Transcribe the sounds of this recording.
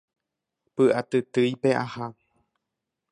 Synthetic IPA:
pɨʔat̪ɨt̪ɨjpeʔaha

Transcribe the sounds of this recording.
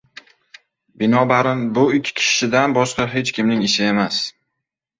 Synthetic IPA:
bɪnɒbaɾɪnbʊɪkʲʰːkʲʰɪ̥ʃɪd̪anbɒʃqɑɦe̞t͡ʃkʲɪmnɪŋɪʃɪe̞mas

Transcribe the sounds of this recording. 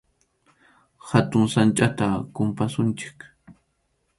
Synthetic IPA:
hat̪ʊŋsant͡ʃʼat̪akʊmpasʊnt͡ʃɪ̥k

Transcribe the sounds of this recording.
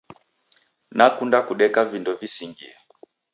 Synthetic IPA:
nakundakuɗɛkavindɔvisiŋɡḭɛ

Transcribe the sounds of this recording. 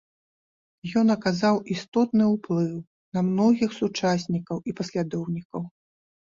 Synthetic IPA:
jɔnɐkazawʔist̪ɔt̪nɨuplˠɨw | nɐmnɔɣʲixsut͡ʂasʲnʲikɐwipɐsʲlʲad̪ɔwnʲikɐw

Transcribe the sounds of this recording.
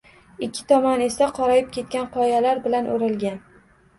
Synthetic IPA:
ɪkʲʰːɪ̥t̪ʰɒmɒne̞saqʰɒɾɒjɪp̚kʲe̞t̪̚kʲanqʰɒjalaɾbɪlanʔoɾɪlɡʲan

